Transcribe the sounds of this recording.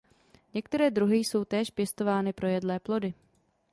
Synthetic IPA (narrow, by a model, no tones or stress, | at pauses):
ɲɛkt̪ɛɾɛːd̪ɾuɦɪjso̞wt̪ɛːʃpjɛst̪o̞vaːnɪpɾo̞jɛdlɛːplo̞dɪ